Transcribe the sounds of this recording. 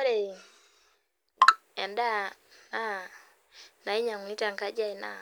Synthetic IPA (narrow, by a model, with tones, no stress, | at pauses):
o˦ɾe˨ | ɛ˨nda˦na˦ | na˨i˦ɲa˨ŋ˨ni˦ta˨ŋka˦d͡ʒa˦i˨na̰˨